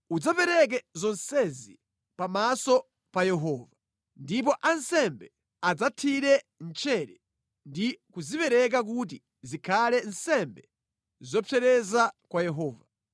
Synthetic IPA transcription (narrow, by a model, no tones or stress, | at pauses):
ud͡zapɛɾɛk̬ɛzɔnsɛzḭ | pamasɔ | pajɛɦɔːva | ndip̬ɔʔansɛmbɛ | ad͡zatʰiɾɛ | n̩t͡ʃʰɛɾɛ | ndikuzipɛɾɛk̬ak̬ut̬i | zikʰalɛnsɛmbɛ | zɔpʰɛɾɛzakwajɛɦɔːva